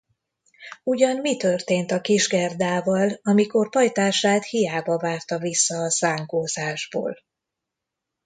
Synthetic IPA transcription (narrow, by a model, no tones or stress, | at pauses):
uɟɒnmit̪ørt̪eːnt̪ɒkiʒɡɛrd̪aːvɒlɒmiko̞rpɒjt̪aːʃaːt̪hijaːbɒvaːrt̪ɒvisːɒːsaːŋkoːzaːʒbo̰ːl